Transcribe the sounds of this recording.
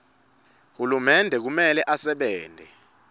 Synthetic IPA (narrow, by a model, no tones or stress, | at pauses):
hulumɛndʱɛk̬umɛlɛʔasɛɓɛːndʱɛ